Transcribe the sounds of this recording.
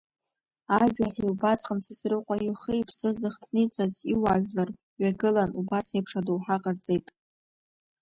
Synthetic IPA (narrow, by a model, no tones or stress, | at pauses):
aʒᶣaħiubasχʼənsʰɨsrɨqʷʼajʊχɨjpʰsɨzɨχtʰnit͡sʰʼaziwaʒᶣlar | ɥaɡɨlanubasejpʰʂadowħaqʼərt͡sʼe̞jtʼ